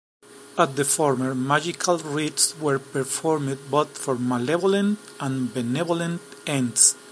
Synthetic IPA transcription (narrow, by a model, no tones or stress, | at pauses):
at̪̚d̪əfɔɾməɹmad͡ʒikʰalɹit̪swɛɾpɛɾfɔɾmd̪̚boθfɔɾmalɛvolẽnt̪ | ãnbɛnɛβolẽnt̪ɛ̃nd̪s